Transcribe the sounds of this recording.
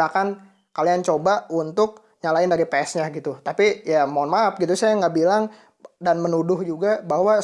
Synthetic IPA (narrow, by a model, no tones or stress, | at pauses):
akan | kaliant͡ʃobaunt̪ʊk̚ | ɲalaɪndaɾipɛsɲaɡit̪ut̪apijamanmap̚ɡit̪usajaŋɡabilaŋ | danmənudʊhd͡ʒuɡabahwa